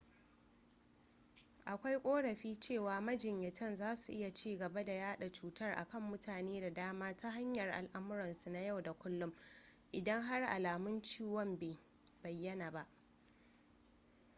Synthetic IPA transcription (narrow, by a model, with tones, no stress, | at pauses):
ʔa˨kʷa˦jkʷʼoː˦ɽɐ˨ɸiː˦t͡ʃeː˦˨waː˨mɐ˦d͡ʒɪ˨ɲjɐ˨tɐ˦˨nzaː˦su˨ʔɪ˦ja˨t͡ʃiː˦˨ɡɐ˨ba˦da˨jaː˦ɗa˨t͡ʃuː˨tɐ˦˨rʔa̰˨kɐ˦˨mːʊ˦tʰaː˨neː˦da˨daː˦maː˦ta˦ɦa˦ɲjɐ˨rʔa̰˨lʔa˦mʊ˦ɾɐ˨nsu˨na˨˦ja˦˨wda˨kʷʊ˦lːʊ˦mʔɪ˨dɐ˦ŋɦa˦rʔa̰˨laː˨mʊ˦nt͡ʃiː˦wɔ˦mbeː˨ | bɐ˨jːɐ˦naː˨ba˦ʔ